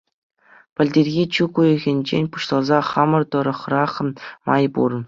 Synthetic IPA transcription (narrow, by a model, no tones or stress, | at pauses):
pʲɘ̆lʲdʲerʲɣʲit͡ɕukujɤ̆ɣʲĕnʲd͡ʑḛnʲpu̥ɕlˠɑlˠzɑχɑmɤ̆rt̪ɤ̆ɾɤ̆χrɑχmɑjbṵr